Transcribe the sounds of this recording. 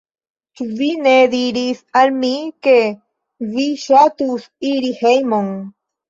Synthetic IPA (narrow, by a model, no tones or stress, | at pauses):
t͡ʃuvineðiɾisaɾmike | viʃat̪us | iɾihejmoŋ